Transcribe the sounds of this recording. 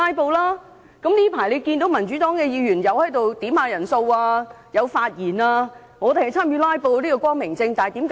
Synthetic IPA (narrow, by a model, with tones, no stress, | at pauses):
aː˥jpo˧wlaː˥ | kɐ˨˥mniː˥pʰaː˨˩jle˨˧jkiː˧nt̪o˨˥wmɐ˨˩nt͡ʃy˨˥t̪ɔː˨˥ŋkɛː˧jiː˨˧jyː˨˩njɐ˨˧whɐ˨˥jt̪o˨wt̪iː˨˥mhaː˨˧jɐ˨˩nso˧waː˧ | jɐ˨˧wfaː˧t̚jiː˨˩naː˧ | ŋɔː˨˧t̪e˨˩hɐ˨jt͡sʰaː˥mjyː˧laː˥jpo˧wliː˥kɔː˧kwɔː˥ŋmɪ˨˩ŋt͡sɪ˧ŋt̪aː˨˩jt̪iː˨˥mk